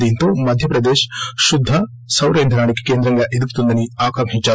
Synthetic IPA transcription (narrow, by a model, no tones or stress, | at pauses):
d̪iint̪omɐd̪ʱjɐpɾɐd̪eːʃʃud̪ʱːɐ | sɐwɾeːnd̪ʱɐɾaːɳikkeːnd̪ɾɐŋɡɐʔid̪ukt̪und̪ɐniaːkɐmɦit͡ʃːaː